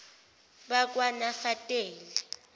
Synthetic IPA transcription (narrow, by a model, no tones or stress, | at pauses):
ɓak̬ʼwanafatʼeːlɛ